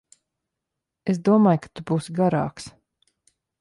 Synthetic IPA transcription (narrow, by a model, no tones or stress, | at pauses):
esd̪uɔmaːjkḁt̪ubuːsɡaɾa̰ːks